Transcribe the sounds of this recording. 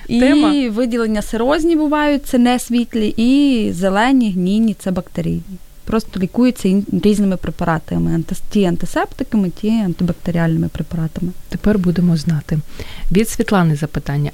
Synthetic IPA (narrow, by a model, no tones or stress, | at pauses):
iɛmɐʋɪdʲilˠenʲːɐseɾɔzʲnʲibʊʋɑjʊt̚ʲtsɛnɛsʲʋʲitʲlʲiʔizelˠɛnʲiɦnʲinʲːit̪sɛbɐkt̪eɾʲḭjnʲi | pɾɔst̪ɔlʲikujʊt͡sʲːɐiɾʲiznɪmɪpɾepɐɾʔɑt̪ɐmɪɐtʲiɐnt̪ɪsɛpt̪ɪkɐmɪtʲiɐnt̪ɪbɐk̚t̪eɾʲialʲnɪmɪpɾepɐɾɑt̪ɐmɪt̪epɛrbud̪emɔznɑt̪ɪʋʲid̪sʲʋʲit̪lˠɑnɪzɐpɪt̪ɑnʲːɐ